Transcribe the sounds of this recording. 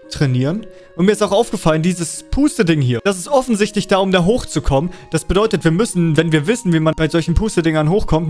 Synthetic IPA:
tʁ̥ɛniːʁən | ʔʊntmiɐɪstaʊxʔaʊfɡ̥əfaləndiːzəspʰuːstədɪŋɦiːɐd̥as̬ɪstʔɔfn̩zɪçtlɪçd̥aːʊmdaːɦoːxt͡sukʰɔmənd̥asb̥ədɔʏtətv̥iːɐmʏsn̩vɛnviːɐvɪsn̩viːmanb̥aɪzɔlçn̩pʰuːstədɪŋɐnɦoːxkʰɔmt

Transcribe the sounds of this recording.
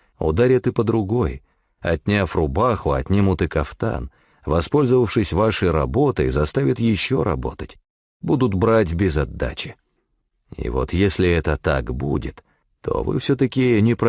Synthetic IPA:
ʊ̰d̪aɾʲɪt̪ɨpəd̪ɾʊɡo̞j | ɐ̰tʲnʲafrʊbaxʊɐ̰t̪ʲnʲimʊt̪ɨkɐft̪a̰n | vɐspo̞lʲzəvəfʂɨsʲvaʂɨjɾɐbo̞t̪ɨzɐst̪avʲɪt̪jɪɕːo̞ɾɐbo̞t̪ətʲ | bud̪ʊt̪bɾatʲbʲɪzɐd̪ːa̰t͡ɕɪ̥ | ḭvo̞̰t̪jesʲlʲɪɛt̪ət̪a̰kbṵdʲɪ̰t̪ː | o̞̰vɨ̰fsʲot̪əkʲɪnʲɪpɾ

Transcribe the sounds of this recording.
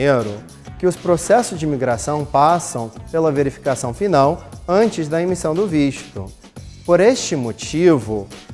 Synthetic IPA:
eɾʊ | kɪʊspɾosɛsʊzd͡ʒɪmiɡɾasɐ̃w̃pasɐ̃w̃pelɐveɾifi̥kasɐ̃w̃finawɐ̃nt͡ʃɪzd̪ɐemisɐ̃w̃d̪ʊviʃt̪ʊ | poɾest͡ʃɪmot͡ʃivʊ

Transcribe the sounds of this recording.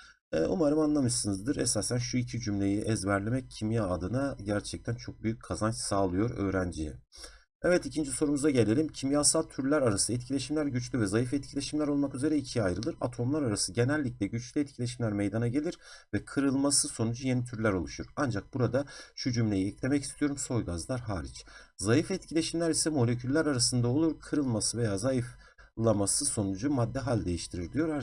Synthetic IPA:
ɛːʔumaɾɯmanlˠamɯʃsɯnɯzd̪ɯɾɛsaːsænʃuicʰid͡ʒymlʲe̞jiʔɛzvæɾlʲemɛccʰimjaːd̪ɯnaɟæɾt͡ʃʰɛc̚t̪ʰænt͡ʃʰo̞k̚byjyc̚ʲkʰːazansaːlˠɯjo̞ɾø̰ːɾænd͡ʒijɛ̰ | ɛvɛt̪icʰind͡ʒiso̞ɾumuzaɟe̞lʲe̞lʲimcʰimjasalˠt̪ʰyɾlʲæɾaɾasɛt̪̚cʰilʲe̞ʃimlʲæɾɟyt͡ʃlʲyvɛzajifɛt̪̚cʰilʲe̞ʃimlʲæɾo̞lˠmakyze̞ɾɛicʰiajɾɯlˠɯɾa̰t̪ʰo̞mlˠaɾaɾasɯɟe̞nælʲːic̚lʲɛɟyt͡ʃlʲiɛt̪̚cʰilʲe̞ʃimlʲæɾmejd̪anaɟe̞lʲiɾ̥vɛkʰɯɾɯlˠmasɯso̞nud͡ʒuje̞nit̪ʰyɾlʲæɾo̞lˠuʃuɾand͡ʒak̚buɾad̪at͡ʃʰyd͡ʒymlʲejiɛclʲe̞mɛcist̪ʰijo̞ɾumso̞jɡazlˠaɾɦaːɾḭt͡ʃzajifɛt̪cʰilʲe̞ʃimlʲæɾisɛmo̞lʲecʰylʲːæɾaɾasɯnd̪ao̞lˠuɾkʰɯɾɯlˠmasɯve̞jaːzajif | lˠamasɯso̞nud͡ʒumad̪ːɛɦalʲd̪e̞jiʃt̪ʰiɾiɾd̪ijo̞ɾa

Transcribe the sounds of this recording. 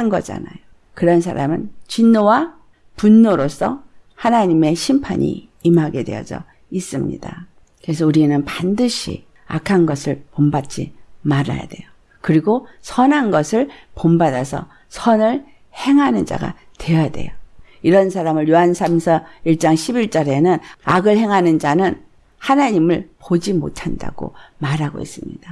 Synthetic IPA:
ɯnɡʌd͡ʑa̰najo | kɯɾʌnsʰaɾamɯnt͡ɕinːowa | punːoɾos͈ʰʌ̰hanaɲime̞ɕʰimpʰa̰ɲḭ | imɦaɡe̞dwe̞̰ʌ̰d͡ʑʌ̰ | is͈ɯmɲḭda | kɯɾes̬ʰʌuɾienɯnpandɯɕʰḭ | akʰanɡʌsʰɯɭpombat͡ɕ͈imaɾa̰ja̰de̞̰jo | kɯɾiɡosʰʌnɦanɡʌsʰɯɭpombadasʰʌ̰ | sʰʌnɯɭ | he̞ŋɦanɯnd͡ʑa̰ɡa̰ | twe̞jade̞̰jo | iɾʌnsʰaɾamɯɭjuɦansʰamsʰʌiɭt͡ɕ͈aŋɕʰibiɭt͡ɕ͈ʌɾe̞nɯnaɡɯɭhe̞ŋɦanɯnd͡ʑanɯn | hanaɲimɯɭpod͡ʑimo̰tʰanda̰ɡ̥o̰maɾaɡo̰ḭs͈ɯmɲid̥a

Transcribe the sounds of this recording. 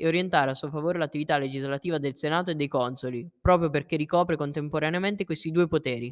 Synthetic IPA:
eoɾjent̪aːɾeasːuofavoːɾelat̪ːivit̪alːed͡ʒizlat̪iːvad̪elsenaːt̪oed̪ːejkɔnsolipɾɔːpɾjoperkerːikɔːpɾekont̪empoɾaneament̪ekwest̪id̪uːepot̪ɛːɾi

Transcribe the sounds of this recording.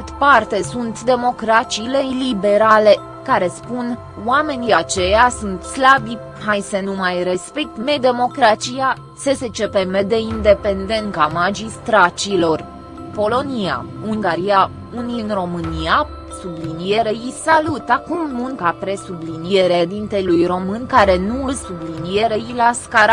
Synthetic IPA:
t̪part̪e̞sunt̪d̪e̞mo̞kɾat͡ʃilelibe̞ɾale̞ | kaɾe̞spun | wame̞niat͡ʃe̞jasunt̪slabi | hajsənumajre̞spe̞k̚t̪me̞d̪e̞mo̞kɾat͡ʃija | səse̞t͡ʃe̞pe̞me̞d̪e̞ind̪e̞pe̞nd̪e̞nkamad͡ʒist̪ɾat͡ʃilo̞r | po̞lo̞nija̰uŋɡaɾija | uninro̞mɨnija | sublinijeɾeisalut̪akumːuŋkapɾe̞sublinijeɾed̪int̪elujro̞mɨnkaɾe̞nuɨlsublinije̞ɾeilaskaɾa

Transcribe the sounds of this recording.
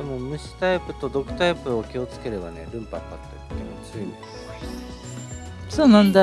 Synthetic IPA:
emomɯ̟ɕi̥t̪aipɯ̟t̪o̞d̪o̞kɯ̟̥t̪aipɯ̟okʲio̞t͡sɨ̥ke̞ɾe̞bane̞ɾɯ̟̃mpakat̪ːeɯt̪ːeosɨii | soːnãnd̪a

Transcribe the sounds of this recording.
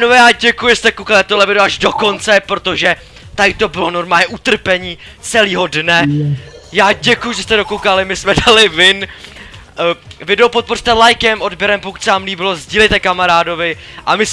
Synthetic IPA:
novɛːjaːɟɛkujɪɛst̪ɛkowkalɪt̪oɦlɛvɪdoaʒdo̞ko̞nt͡sɛpɾot̪o̞ʒɛ | t̪ajɪt̪o̞bɪlo̞no̞ɾmaːlɲɛʔut̪r̩pɛɲiː | t͡sɛliːɦo̞dnɛ | jaːɟɛkujuʒɛst̪ɛdo̞kowkalɪmɪsmɛdalɪvɪn | vɪdɛwpo̞t̪̚por̥t̪ɛlajkɛmʔodbjɛɾɛmpoku̥c̪ʲsɛvaːmliːbɪlo̞zɟiːlɛjt̪ɛkamaɾaːdo̞vɪ | ʔamɪs

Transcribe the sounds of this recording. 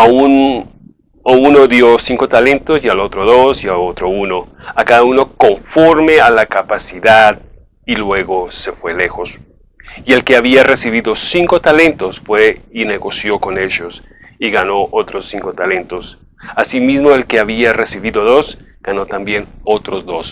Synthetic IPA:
aun | ouno̞ðjosiŋko̞t̪ale̞nt̪osjalo̞t̪ɾoðosjaot̪ɾo̞uno̞akaðauno̞ko̞ɱfo̞ɾme̞alakapasiðað | ilwe̞ɣo̞se̞fwe̞le̞xo̞s | ie̞lke̞aβiare̞siβ̞iðo̞siŋko̞t̪ale̞nt̪o̞sfwe̞ine̞ɣo̞sjo̞ko̞ne̞ʝo̞s | iɣanoʔot̪ɾosːiŋko̞t̪ale̞nt̪o̞s | asimizmo̞e̞lkeaβiare̞siβiðo̞ðo̞s | ɡ̥ano̞t̪ambjenot̪ɾo̞zðo̞s

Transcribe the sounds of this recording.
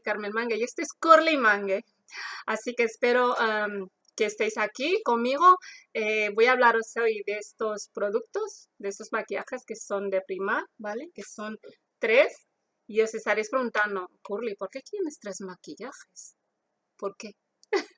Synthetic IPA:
kaɾmelmãŋɡejest̪eeskuɾlimãŋɡe | asike̞ːspe̞ɾo̞em | keːst̪ejsakiko̞mmiɣ̞oeβo̞jaːβ̞laɾosojðeest̪o̞spɾo̞ðuk̚t̪o̞s | d̪eest̪o̞zmakija̰xe̞ske̞so̞nd̪e̞pɾimaɾbaleke̞so̞n | t̪ɾe̞s | io̞se̞st̪aɾejspɾeɣunt̪and̪okuɾlipo̞ɾke̞k̪jene̞st̪ɾezmakiʝaxes | po̞ɾke

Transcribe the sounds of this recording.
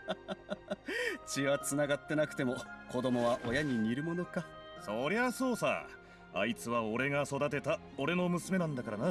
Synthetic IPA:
t͡ɕiβat͡sɨnaɡat̪ːe̞nakɯ̟̥e̞mo̞ko̞d̪o̞mo̞βaʔojaɲ̟iɲiɾɯ̟mo̞no̞ka | so̞ɾe̞βaso̞ːsa̰ː | a̰it͡sɨβao̞ɾe̞ŋaso̞d̪at̪e̞t̪a | o̞ɾe̞no̞mɯ̟sɨme̞nãnd̪akaɾana

